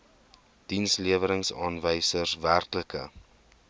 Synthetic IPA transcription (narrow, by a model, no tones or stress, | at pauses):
d̥insliəvəɾəŋsɑːnvəjsərsværkləkə̰